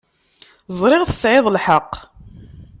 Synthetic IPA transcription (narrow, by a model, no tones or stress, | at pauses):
zˤɾˤɪʁθə̥sʕɪðˤlħəqː